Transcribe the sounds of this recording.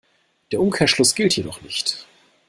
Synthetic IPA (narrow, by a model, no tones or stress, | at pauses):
d̥eːɐʔʊmkʰeːɐʃlʊsɡ̥ɪltʰjedɔχnɪçt